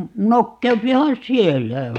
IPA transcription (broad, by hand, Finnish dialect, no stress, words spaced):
nokːeupihɑn sielːæ